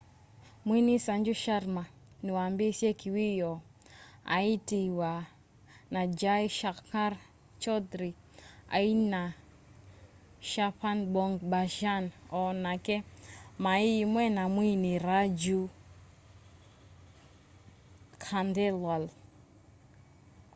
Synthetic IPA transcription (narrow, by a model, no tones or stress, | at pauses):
mwinisand͡ʒuʃaɾma | niwambisjɛkiwijɔ | a̰itiwa | nad͡ʒajʃakaɾ | t͡ʃɔdɾi | a̰ina | ʃapanbɔŋɡbaʃanɔnakɛmaimwɛnamwiniɾad͡ʒu | kʰandɛlwal